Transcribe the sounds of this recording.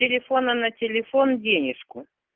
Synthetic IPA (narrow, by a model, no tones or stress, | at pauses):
ɪlʲɪfo̞nənɐtʲɪlʲɪfo̞ndʲenʲɪʂkʊ